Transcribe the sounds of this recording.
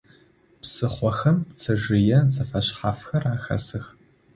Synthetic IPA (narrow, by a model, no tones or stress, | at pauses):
psɨχʷɔxɐmpt͡sʰɐʒɪjɛzɐfɐɕχaːfxɐraːxɐ̰sɨx